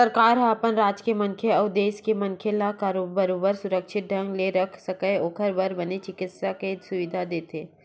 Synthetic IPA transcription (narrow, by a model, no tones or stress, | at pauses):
sɐɾkaːɾɦɐ̃ɐpənɾaːd͡ʒkemɐŋkʰeɔːd̪eːskemɐnkʰelakaːɾoːbəɾoːbəɾsʊɾəkʃɪt̪̚ɖʱə̃ŋɡleɾɐkʰsɐkəoːkʰəɾbɐɾbɐnet͡ʃɪkɪt̪sakesʊʋɪd̪ʱad̪eːt̪ʰeː